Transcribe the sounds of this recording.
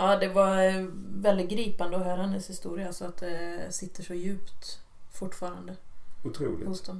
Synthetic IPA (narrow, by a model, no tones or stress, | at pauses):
ʔaːd̪ɛvaɾvɛlɪt̪̚ɡɾiːpand̪əɔɦœːɾhand̪əshɪst̪uːɾɪaalsɔat̪̚d̪ɛsɪt̪ːəʂɔjʉ̟ːpt̪ | fʊʈːfɑːɾand̪əʊt̪ʰɾṵːlɪ̰hʊsd̪ɔm